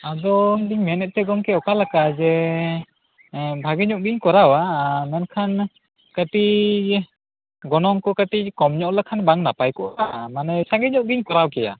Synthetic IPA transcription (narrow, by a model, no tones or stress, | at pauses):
adɔmdiŋmɛnɛt̪̚t̪ɛɡɔmkɛɔkalakad͡ʒɛ | bʱaɡɛɲɔʔɡiɲkɔɾawamankʰan | kati | ɡɔnɔŋkɔkatikɔmɲɔʔlakʰanbaŋnapajkɔʔamanɛsaŋɡɛɲɔʔɡiɲkɔɾawkɛja̰